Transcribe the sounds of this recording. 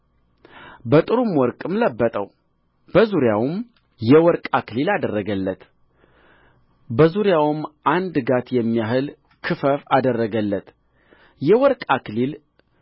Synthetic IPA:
bət̪ʼɨɾumwɔɾkʼɨmləbːət̪ʼəw | b̥əzuɾjawm | jɛwɔɾkʼakʰɨlilad̪ərːəɡəlːət̪ | bəzuɾjawmʔand̪ɡat̪jɛmːijaɦɨl | kʰɨfəfad̪ərːəɡəlːət̪ | jɛwɔɾkʼakɨlil

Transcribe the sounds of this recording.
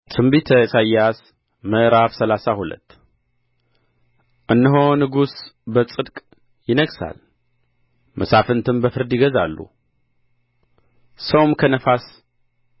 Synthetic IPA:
t̪ʰʼɨmbit̪ʰəsajːas | məʔɾafsəlasahulə̰t̪ː | ʔɨnːəɦonɨɡusbət͡sʼɨd̪kʼ | jɪnəɡsa̰l | mʔəsafɨnt̪ʰɨmbəfɨɾd̪iɡəzalːṵ | səwmkʰənəfas

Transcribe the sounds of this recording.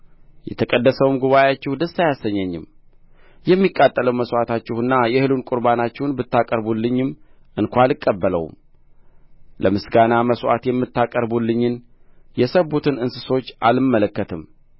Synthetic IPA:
jɛt̪ʰəkʼəd̪ːəsəwmɡuβajat͡ʃːɛhd̪əsːajasːəɲːɛɲːɪ̰m | jɛmːikʼːat̪ʼːələwməswat̪ʰat͡ʃːɪhɨnːajɛhɨlunkʼʊɾbanat͡ʃːɛwnbɨt̪ːakʼəɾbulːɨɲːɪm | ʔɨnkʷalɨkʼːəbːələ̰w̰m | ləmɨsɡanaməswa̰t̪jɛmːɨt̪ːakʼəɾbulːɨɲːɪn | jɛsəbut̪ʰɨnɨnsɨso̞t͡ʃːʔalɨmːələkːət̪ʰɨm

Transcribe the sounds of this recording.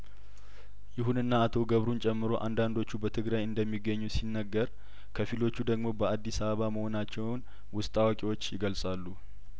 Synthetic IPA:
jɪɦunɨnːaːt̪ʰoɡəβɾunt͡ʃʼɛmːɨɾo̞ʔa̰nd̪and̪o̞t͡ʃːubət̪ʰɨɡɾajɨnd̪əmːiɡːəɲːusinːəɡːəɾ | kʰəfilo̞t͡ʃːud̪əɡmo̞bəad̪ːisaβəβaməho̞nat͡ʃːɛwwn | wʊst̪ʼawakʼiwo̞t͡ʃːjɪɡəlsʼalːu

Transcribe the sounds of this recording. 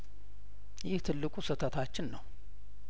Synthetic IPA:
jɪht̪ʰɨlːɨkʼusɨt̪ʰət̪ʰat͡ʃːɪnːəw

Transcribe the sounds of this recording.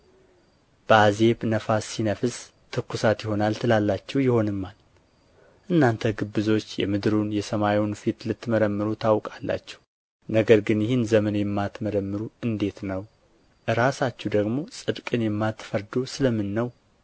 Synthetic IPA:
b̥əaze̞βnəfasːinəfɨs | t̪ʰɨkːusat̪jɪho̞nalt̪ʰɨlalːat͡ʃːɛwjɪho̞nɨmːal | ʔɨnːant̪ʰəɡɨbːɨzo̞t͡ʃːjɛ̰mɨd̪ɾunjɛsəmaiwnfit̪lɨt̪ːməɾəmːɨɾut̪ʰawkʼalːa̰t͡ʃːɛ̥w | nəɡəɾɡɨnjɪhɪnzəmənjɛmːat̪məɾəmːɨɾuɨnd̪e̞t̪nəw | ʔɨɾasat͡ʃːɛd̪əɡmo̞sʼɨd̪kʼɨnjɛmːat̪fəɾd̪osɨləmːɨnːəw

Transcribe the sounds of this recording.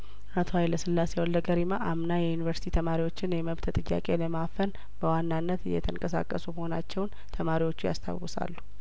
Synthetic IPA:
ʔat̪ʰo̞hajləsɨlːasewlːəɡəɾimaʔamnajɛjunivəɾsi̥t̪ʰit̪ʰəmaɾiwo̞t͡ʃːɪnjɛməβt̪ʰt̪ʼɨjːa̰kʼe̞ləmafəl | b̥əwanːanːət̪ɨ̰jːɛ̰t̪ʰəŋkʼəsa̰kʼːəsuməho̞nat͡ʃːɛwn | t̪ʰəmaɾiwo̞t͡ʃːuja̰st̪ʰa̰wʊsa̰lːu̥

